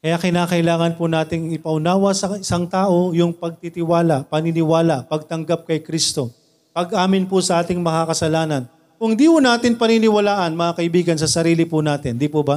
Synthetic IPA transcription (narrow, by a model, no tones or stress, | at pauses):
kɐjakɪnaːkɐʔɪlaːŋɐnpʊnaːt̪ɪŋɪpɐʔʊnaːwɐsɐɪsaŋt̪aːʔo̞jʊŋpɐɡ̚t̪it̪ɪwaːlɐpɐnɪnɪwaːlɐʔpɐɡ̚t̪ɐŋɡap̚kɐjkɾist̪o̞ | pɐɡʔaːmɪnpʊsɐʔaːt̪ɪŋmɐŋakɐsɐlaːnɐn | kʊŋd̪iːhʊnaːt̪ɪnpɐninɪwɐlaːʔɐnmɐŋakɐʔɪbiːɡɐnsɐsɐɾiːlɪpʊnaːt̪ɪnd̪ipʊba